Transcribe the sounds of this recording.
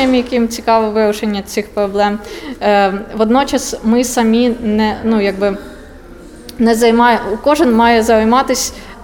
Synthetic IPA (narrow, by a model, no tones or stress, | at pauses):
ɐmʲijɐkɪmt͡sʲikɑʋɔʋɪɾʊʃenʲːɐt͡sʲixpɾɔblˠɛm | ʋɔd̪nɔt͡ʃɐsmɪsɐmʲinɛnujɐɡ̚bɪ | nɛzɐjmɑkɔʒɪnmɑjɛzɐɐjmɑt̪ɪsʲ